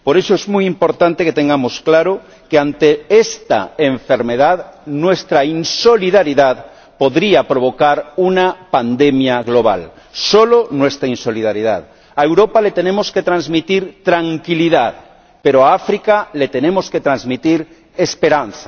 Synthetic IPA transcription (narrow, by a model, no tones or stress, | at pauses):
poɾe̞soezmujimpo̞ɾt̪ãnt̪eket̪eŋɡamosklaɾo | keant̪eest̪a̰eɱfe̞ɾmeðaðnwe̞st̪ɾainso̞liðaɾiðað | poðɾiapɾo̞β̞o̞kaɾunapand̪emjaɣlo̞β̞a̰l | solonwest̪ɾainso̞liðaɾiða̰ð | aewɾopalet̪enẽmosket̪ɾãnzmit̪iɾt̪ɾaŋkiliðað | peɾoaafɾikalet̪enemo̞sket̪ɾanzmit̪iɾ | espe̞ɾanθa